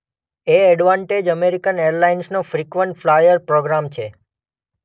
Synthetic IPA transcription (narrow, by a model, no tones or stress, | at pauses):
eɛɖʋãɳʈed͡ʒəmeɾikəneəɾlainsnofɾikʋəɳʈflajəɾpɾoɡɾamt͡ʃʰe